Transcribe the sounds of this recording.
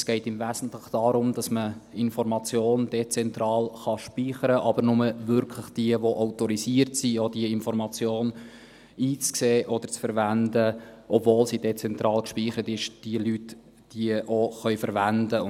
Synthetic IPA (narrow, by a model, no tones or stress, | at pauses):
sɡ̥ɛɪtɪmvæːsn̩tləχd̥ɑɾʊmd̥ɑsməɪnfɔɾmɑt͡sjoːnd̥̪ɛt͡sɛnt̪ɾɑːlχɑʃpiːχəɾəʔɑbəɾnʊməvʏɾkʰləχd̥iəʋoʔaʊtɔɾisiəɾtsiɔd̥iəɪnfɔɾmɑt͡sjoːn | iːt͡skseːʔɔd̥əɾt͡sfəɾvændəʔɔbvoːlsid̥ɛt͡sɛnt̪ɾɑːlkʃpiːχəɾətɪʃd̥iəlyt | d̥iəʔoχœʏfəɾʋændəʊ